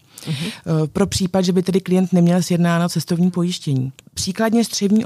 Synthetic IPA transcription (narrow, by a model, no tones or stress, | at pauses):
pɾo̞pr̥iːpadʒɛbɪt̪ɛdɪklɪjɛnt̪nɛmɲɛlsjɛdnaːnat̪t͡sɛst̪ovɲiːpo̞jɪʃcɛɲiːpr̝̥iːkladɲɛzd̪r̥ɛvɲiːʔ